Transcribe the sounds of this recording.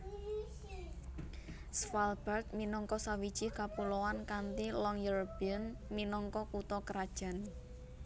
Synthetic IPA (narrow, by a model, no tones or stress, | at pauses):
sfalbərt̪̚minɔŋkɔsawid̥ʒ̥ikapulowankant̪ilɔŋjuɾopiənminɔŋkɔkut̪ɔkəɾad̥ʒ̥a̤n